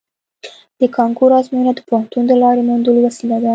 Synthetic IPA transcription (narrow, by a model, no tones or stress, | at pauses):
d̪̥əkɑŋkuɾɑzmjunad̪əpoant̪und̪əlɑɾemand̪ulwasilad̪a